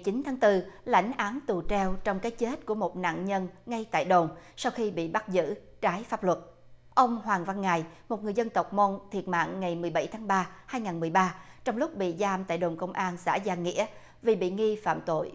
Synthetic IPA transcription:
t͡ɕi˨˦nt̪ʰaː˨˦ŋt̪ɨ˧la̰˧˩jŋ̟ʔaː˨˦nt̪u˨˩t͡ɕɛ˧wt͡ɕɔ˧wŋ͡mkaː˨˦jt͡ɕe˦˥t̚ku˧˩əmo˨˩t̚na̰ː˧˨ŋɲə˧nŋa˧jt̪a̰ː˧˨jɗo˨˩ŋ͡msa˧wxi˧ɓḭ˧˨ɓa˦˥t̚zɨ̰˧˥ | t͡ɕaː˨˦jfaː˦˥p̚lwə˨˩t̚ | ʔə˧wŋ͡mɦwaː˨˩ŋva˧nŋa˨˩jmo˨˩t̚ŋɨ˨˩əjzə˧nt̪ə˨˩wk͡p̚mo˧nt̪ʰi˨˩ət̚ma̰ː˧˨ŋːa˨˩jmɨ˨˩əjɓa˧˩jt̪ʰaː˨˦ŋɓaː˧haː˧jŋaː˨˩nmɨ˨˩əjɓaː˧t͡ɕɔ˧wŋ͡mlʊ˦˥k͡p̚ɓḭ˧˨zaː˧mt̪a̰ː˧˨jɗo˨˩ŋ͡mkə˧wŋ͡mʔaː˧nsa̰ː˧˥zaː˧ŋḭ˧˥ə | vi˨˩ɓḭ˧˨ŋi˧fa̰ː˧˨mt̪o̰˧˨j

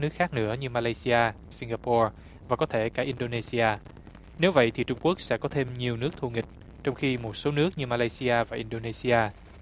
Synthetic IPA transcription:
nɨ˦˥ək̚xaː˦˥k̚nɨ̰˧˥əɲɨ˧maː˧laː˧jsi˧aː˧si˧ŋɡaː˧pɔ˧ | vaː˨˩kɔ˨˦t̪ʰe˧˩kaː˧˩ʔi˧nɗo˧ne˧si˧ʔaː˧ | ne˨˦wvə̰˧˨jt̪ʰi˨˩t͡ɕʊ˧ŋ͡mku˦˥ək̚sɛ̰˧˥kɔ˨˦t̪ʰe˧mɲi˨˩əwnɨ˦˥ək̚t̪ʰu˧˩ŋï˨˩k̟̚ | t͡ɕɔ˧wŋ͡mxi˧mo˨˩t̚so˨˦nɨ˦˥ək̚ɲɨ˧maː˧laː˧jsi˧ʔaː˧vaː˨˩ʔi˧nɗo˧ne˧si˧ʔaː˧

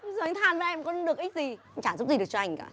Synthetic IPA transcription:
ɓjzo˨˧˩ŋ̟t̪ʰaː˨˩nva˨˩ʔɛ˧mkɔ˨˦nɗɨ˨˩ək̚ʔi˦˥k̚zi˨˩˨ŋ̟t͡ɕaː˧˩zʊ˦˥p̚zi˨˩ɨ˨˩ək̚t͡ɕɔ˧a˧jŋ̟kaː˧˦

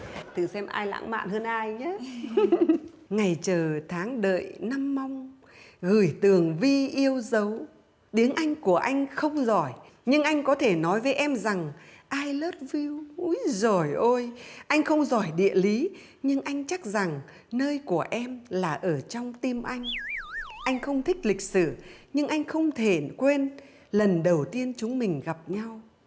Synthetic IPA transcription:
t̪ʰɨ˨˩sɛ˧mʔa̰ː˧jla̰ː˧˥ŋma̰ː˧˨nhəː˧nʔaː˧jɲa˨˦ | ŋa˨˩jt͡ɕəː˨˩t̪ʰaː˨˦ŋɗə̰ː˧˨jna˧mːa˧wŋ͡m | ɣɨ˧˩jt̪ɨ˨˩əŋvi˧ʔi˧əwzə˨˦w | ɗ̪i˨˦əŋʔa˧jŋ̟ku˧˩əʔa˧jŋ̟xə˧wŋ͡mzɔ˧˩j | ɲɨ˧ŋʔa˧jŋ̟kɔ˨˦t̪ʰe˧˩nɔ˨˦jvəː˨˦jʔɛ˧mza˨˩ŋʔaː˧jləː˦˥t̚vi˧wu˨˦jzo˨˩jʔo˧jʔa˧jŋ̟xə˧wŋ͡mzɔ˧˩jɗḭ˧˨əli˨˦ | ɲɨ˧ŋʔa˧jŋ̟t͡ɕa˦˥k̚za˨˩ŋ | nəː˧jku˧˩əʔɛ˧mlaː˨˩ʔəː˧˩t͡ɕɔ˧wŋ͡mt̪i˧mʔa˧jŋ̟ | ʔa˧jŋ̟xə˧wŋ͡mt̪ʰï˦˥k̟̚lï˨˩k̟̚sɨ̰˧˩ɲɨ˧ŋʔa˧jŋ̟xə˧wŋ͡mt̪ʰe˧˩kwe˧n | lə˨˩nɗə˨˩wt̪i˧ənt͡ɕʊ˨˦ŋ͡mmï˨˩ŋ̟ɣa˨˩p̚ɲa˧w

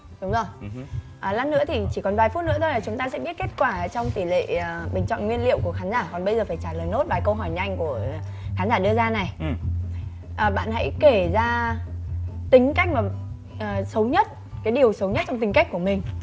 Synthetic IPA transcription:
ɗʊ˨˦ŋ͡mzo˨˩j | ʔəː˨˩la˧nːɨ̰˧˥ət̪ʰi˨˩t͡ɕi˧˩kɔ˨˩nvaː˨˩jfu˦˥t̚nɨ̰˧˥ət̪ʰjlaː˨˩t͡ɕʊ˨˦ŋ͡mt̪aː˧sɛ̰˧˥ɓi˦˥ət̚ke˦˥t̚kwaː˧˩t͡ɕɔ˧ŋ͡mt̪i˧˩lḛː˧˨˩ɓï˨˩ŋ̟t͡ɕɔ̰˧˨nŋwi˧ənlḭ˧˨əwku˧˩əxaː˨˦nzaː˧˩kɔ˨˩nɓə˧jzəː˨˩faː˧˩jt͡ɕaː˧˩ləː˨˩jno˦˥t̚ɓaː˨˩jkə˧wɦɔ˧˩jɲa˧jŋku˧˩ə | xaː˨˦nzaː˧˩ɗɨ˧əzaː˧na˨˩j | ʔəː˨˩ɓa̰ː˧˨nha̰˧˥jke˧˩zaː˧ | t̪ï˨˦ŋ̟ka˦˥jk̟̚maː˨˩ | ʔəː˨˩sə˨˦wɲə˦˥t̚ | kaː˨˦jɗi˨˩əwsə˨˦wɲə˦˥t̚t͡ɕɔ˧wŋ͡mt̪ï˨˩ŋ̟ka˦˥k̟̚ku˧˩əmï˨˩ŋ̟

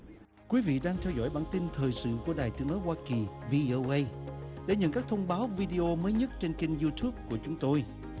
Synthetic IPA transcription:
kwi˨˦vḭ˧˨ɗaː˧ŋt̪ʰɛ˧wzɔ̰˧˩jɓa̰ː˧˩nt̪i˧nt̪ʰəː˨˩jsɨ̰˧˨ku˧˩əɗaː˨˩jt̪ɨ˨˥əŋɗɔ˨˦jwaː˧ki˨˩vi˧ʔo˧ʔə˧jɗḛ˧˩ɲə̰˧˨nkaː˦˥k̚t̪ʰə˧wŋ͡mɓaː˨˦wvi˧ɗi˧ʔo˧məː˨˦jɲə˦˥t̚t͡ɕe˧nki˧ŋzu˧t̪ʰu˦˥p̚ku˧˩ət͡ɕʊ˨˦ŋ͡mt̪o˧j

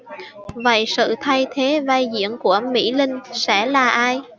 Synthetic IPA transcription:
və̰˧˨jsɨ̰˧˨t̪ʰa˧jt̪ʰe˨˦vaː˧jzḭ˧˨ənku˧˩əmḭ˧˥lï˧ŋ̟sɛ̰˧˥laː˨˩ʔaː˧j

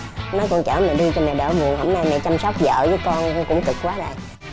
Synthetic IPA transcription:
nɔ˨˦jkɔ˧nt͡ɕaː˧˩mɛ˨˩ɗi˧t͡ɕɔ˧mɛ˨˩ɗə̰ː˧˩mu˨˩ənhə˧˩wŋ͡mnaː˧jmɛ˨˩t͡ɕa˧msɔ˦˥wk͡p̚zə̰ː˧˨vəː˨˦jkɔ˧n˧kʊ̰˧˥ŋ͡mt̪ɨ˨˩k̚kwaː˨˦za̰˨˩j

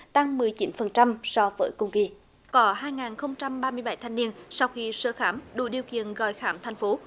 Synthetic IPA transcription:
t̪a˧ŋmɨ˨˩əjt͡ɕi˨˦nfə˨˩nt͡ɕa˧msɔ˧vəː˨˦jkʊ˧ŋ͡mki˧ | kɔ˨˦ɦaː˧jŋaː˨˩nxə˧wŋ͡mt͡ɕa˧mɓaː˧mɨ˧əjɓa˧˩˦jt̪ʰŋni˧ənsa˧wxi˧səː˧˩xaː˧˩mɗṵ˧˩ɗi˨˩əwkḭ˧˨ənɣɔ̰˧˨jxaː˨˦mt̪ʰa˧jŋ̟fo˨˦

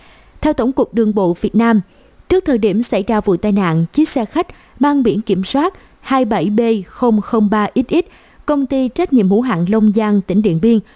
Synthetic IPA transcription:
t̪ʰɛ˧wt̪o˧˩ŋ͡mku˨˩ək̚ɗɨ˨˧˩əŋɓo̰˧˨vi˨˩ət̚naː˧m | t͡ɕɨ˦˥k̚t̪ʰəː˨˩jɗi˧˩əmsa˧˩jzaː˧vṵ˧˨t̪aː˧jna̰ː˧˨nt͡ɕi˦˥t̚sɛ˧xa˦˥jk̟̚ | maː˧ŋɓi˧˩ənki˧˩əmswaː˦˥t̚ | haː˧jɓə˧˩jɓe˧xə˧wŋ͡mxə˧wŋ͡mɓaː˧ʔi˦˥t̚ʔi˦˥t̚ | kə˧wŋ͡mt̪i˧t͡ɕa˦˥k̟̚ɲḭ˧˨əmhṵ˧˥ɦa̰ː˧˨nlə˧wŋ͡mzaː˧ŋt̪ï˧˩ŋ̟ɗḭ˧˨ənɓi˧əŋ

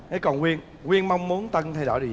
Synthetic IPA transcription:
hə˨˦jkɔ˨˩nwi˧ən | ɣwi˧ənma˧wŋ͡mmːu˨˦ənt̪ə˧nt̪ʰa˧jɗo̰˧˩jɗ

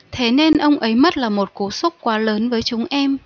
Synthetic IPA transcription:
t̪ʰe˨˦ne˧nʔə˧wŋ͡mʔə˨˦jmə˦˥t̚laː˨˩mo˨˩t̚ku˨˩su˦˥k͡p̚kwaː˨˦ləː˨˦nvəː˨˦jt͡ɕʊ˨˦ŋ͡mʔɛ˧m

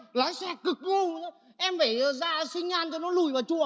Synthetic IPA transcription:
laː˨˦jsɛː˧˩k̚kːɨ˨˩k̚lu˧˩˨ | ʔɛ˧mva˧˩˨zaː˧sï˧ŋ̟aː˧nt͡ɕɔ˧nɔ˨˦lu˨˧˩jvaː˨˩t͡ɕu˧˩˨ə

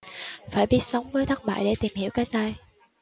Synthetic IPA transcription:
faː˧˩jɓi˦˥ət̚sə˨˦wŋ͡mvəː˨˦jt̪ʰaː˦˥t̚ɓa̰ː˧˨jɗe˧˩t̪i˨˩mhi˧˩˨əwkaː˨˦jzaː˧j

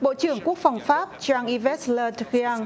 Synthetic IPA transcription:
ɓo̰˧˨t͡ɕɨ˧˩əŋku˦˥ək̚fa˨˩wŋ͡mfaː˦˥p̚t͡ɕaː˧ŋʔi˧vɛ˦˥t̚ləː˧txi˧aː˧ŋ

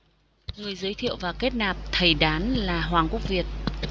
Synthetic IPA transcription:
ŋɨ˨˩əjzəː˨˦jt̪ʰḭ˧˨əwvaː˨˩ke˦˥t̚naː˨˩p̚t̪ʰə˨˩jɗaː˨˦nlaː˨˩ɦwaː˨˩ŋku˦˥ək̚vi˨˩ət̚

